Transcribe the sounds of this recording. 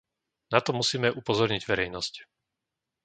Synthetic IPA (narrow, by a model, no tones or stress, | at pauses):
nat̪ɔmusiːmɛʔupɔzɔɾɲiɟʋɛɾɛjnɔsc